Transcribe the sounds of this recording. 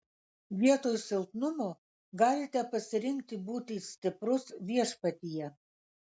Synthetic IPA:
ʋʲiɛt̪oːjsʲɪlˠt̪nʊmoː | ɡɑːlʲɪt̪ʲɛpɐsʲɪɾʲɪŋʲk̚t̪ʲɪbuːt̪ʲisʲt̪ʲɪpɾʊsʋʲiɛʃpɐt̪ʲijɛ

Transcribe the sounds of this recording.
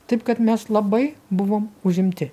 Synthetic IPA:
t̪ɐɪp̚kɐt̪mʲɛslˠɐbɐɪbʊʋoːmʊʒʲɪmʲt̪ʲɪ

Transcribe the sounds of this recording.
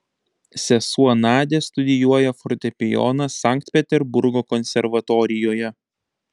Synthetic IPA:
sʲɛsuɔnɑːd̪ʲest̪ʊd̪ʲɪjuɔjɛfɔɾt̪ʲɛpʲɪjɔ̰nɐsɑˑŋʲkt̪ʲpʲɛt̪ʲɛɾbʊɾɡoːkɔnʲsʲɛɾʋɐt̪ɔɾʲɪjoːjɛ

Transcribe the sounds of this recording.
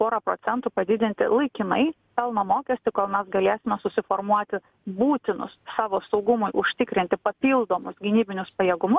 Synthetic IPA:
poːɾɐpɾoːsʲɛnt̪uːpɐd̪ʲɪd̪ʲɪnʲt̪ʲɪ̰lˠɐɪkʲɪnɐɪ | pʲɛlˠnɐmoːkʲɛsʲt̪ʲɪkoːlˠmʲɛsɡɐlʲeːsʲɪmʲɛsʊsʲɪfoːɾmuɔt̪ʲɪ | buːt̪ʲɪnʊ̰ssɑːʋoːsɒʊɡʊmʊɪʔʊʃʲt̪ʲɪkɾʲɪnʲt̪ʲɪpɐpʲiːlˠd̪oːmʊsɡʲɪnʲiːbʲɪnʲʊspɐjɛɡʊmʊs

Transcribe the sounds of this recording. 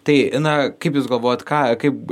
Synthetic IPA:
t̪ɐɪɐnɐkɐɪpjuːsɡɐlˠʋoːjot̪kɑːkɐɪp̚

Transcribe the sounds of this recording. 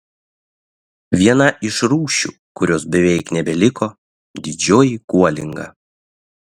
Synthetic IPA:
ʋʲiɛnɐʔɪʃɾuːʃʲṵːˑ | kʊɾʲoːsbʲɛʋʲɛɪknʲɛbʲɛlʲɪkoː | d̪ʲɪd͡ʒʲoːjikuɔlʲɪŋɡɐ̰

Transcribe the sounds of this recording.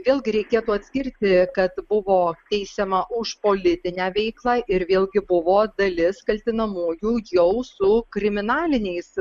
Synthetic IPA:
ʋʲeːlˠɡʲɪɾʲɛɪkʲeːt̪uːɐt̪ʲsʲkʲɪɾʲt̪ʲɪkɐt̪bʊʋoːt̪ʲɛɪsʲɛmɐʔʊʃpoːlʲɪt̪ʲɪnʲæːʋʲɛɪklˠɑːʔɪɾʋʲeːlˠɡʲɪbʊʋoːd̪ɐlʲɪskɐlʲt̪ʲɪnɐmuːjuːjɛʊsʊkɾʲɪmʲɪnɑːlʲɪnʲɛɪs

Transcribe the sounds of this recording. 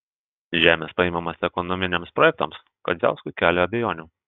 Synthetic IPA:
ʒʲæːmʲespɐiɪːmɐmɐsɛkɔnɔmʲɪnʲɛmspɾɔjɛk̚t̪ɐ̰ms | kɐ̰zʲæ̰ˑʊskʊɪkʲæːlʲɛɐbʲɛjoːnʲuː

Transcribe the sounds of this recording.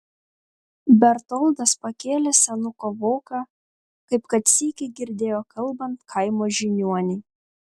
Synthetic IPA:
bʲɛɾt̪ɔlˠd̪ɐspɐkʲeːlʲɛsʲɛnʊkoːʋoːkɑ | kɐɪpkɐt̪sʲiːkʲɛɡʲɪɾʲd̪ʲeːjoːkʰɐlˠbɐnt̪kʰɐɪmoːʒʲɪnʲuɔnʲɛɪ

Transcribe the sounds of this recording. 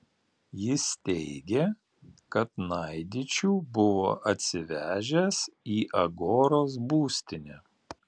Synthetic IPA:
jɪst̪ʲɛɪɡʲe | kɐt̪nɐɪd̪ʲɪt͡ʃʲuːbʊʋo̰ːʔɐt̪ʲsʲɪʋʲæːʒʲɛsiːʔɐɡoːɾoːs̬buːsʲt̪ʲɪnʲɛ

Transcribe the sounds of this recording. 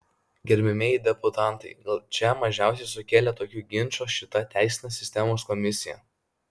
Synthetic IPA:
ɡʲɛɾʲmʲɪmʲeːjɪd̪ʲɛpʊt̪ɑˑnˑt̪ɐɪɡɐlˠt͡ʃʲɛmɐʒʲæˑʊsʲɛɪsʊkʲeːlʲɛt̪oːkʲuɡʲɪnʲˑt͡ʃoːʃʲɪt̪ɐt̪ʲæˑɪsʲɪnʲeːssʲɪsʲt̪ʲɛmoːskɔmʲɪsʲɪjɛ̰ˑ

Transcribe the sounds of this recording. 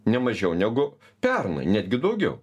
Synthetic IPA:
nʲɛmɐʒʲɛʊnʲɛɡʊ | pʲɛrnɐ̰ɪnʲæːd̪ʲɡʲɪd̪ɐʊɡʲɛʊ

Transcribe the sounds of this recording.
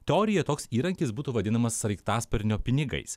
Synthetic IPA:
t̪ʲɛoːɾʲɪjɛt̪oːksiːɾɐŋʲkʲɪsbuːt̪uːʋɐd̪ʲɪnɐmɐsːɐɪkt̪ɑːspʲɛɾʲnʲoːpʲɪnʲɪɡɐ̰ɪs

